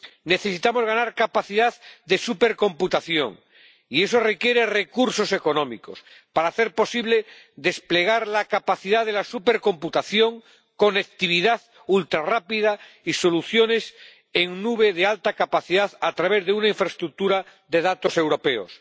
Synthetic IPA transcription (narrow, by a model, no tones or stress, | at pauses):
ne̞θesit̪amo̞zɣanaɾkapaθiðaððe̞supe̞ɾko̞mput̪aθjo̞̰ŋ | ie̞so̞re̞kje̞ɾe̞re̞kuɾso̞se̞ko̞nõmḭko̞s | paɾaθe̞ɾpo̞siβle̞ | ðe̞sple̞ɣ̞aɾlakapaθiðaðe̞lasupe̞ɾko̞mput̪aθjo̞ŋ | ko̞nekt̪iβ̞iðað | ult̪ɾarapiðaiso̞luθjo̞ne̞s | eŋnuβe̞ðealt̪akapaθiðaðat̪ɾaβe̞zðeunaiɱfɾest̪ɾuk̚t̪uɾaðe̞ðat̪o̞se̞wɾo̞pe̞o̰s